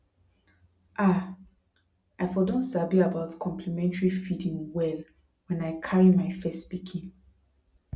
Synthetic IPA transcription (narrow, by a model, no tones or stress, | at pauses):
ʔa | aɪfɔdõnsabiabaʊtkʰɔ̃mpʰlimɛ̃ntaɹifidĩŋwɛl | wɛ̃naɪkʰaɹimaɪfɛstpikʰĩn